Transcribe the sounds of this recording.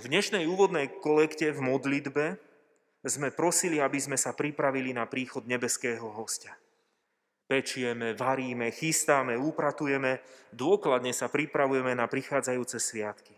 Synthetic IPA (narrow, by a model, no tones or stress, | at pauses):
vd̪ɲɛʃnɛjuːʋɔd̪nɛjkɔlɛkcɛvmɔd̪lid̪bɛ | zmɛpɾɔsiliabizmɛsapɾipɾaʋilinapɾiːxɔd̪ɲɛbɛskɛːɦɔɦɔsca | pɛt͡ʃujɛmɛʋaɾiːmɛxist̪amɛuːpɾat̪ujɛmɛd̪ʊɔklad̪ɲɛsapɾipɾaʋujɛmɛnapɾixaːd͡zajuːt͡sɛsʋɪat̪ki̥